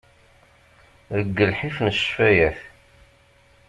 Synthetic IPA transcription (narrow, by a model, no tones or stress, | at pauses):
ðəɡːəlħifnəʃfæjæθ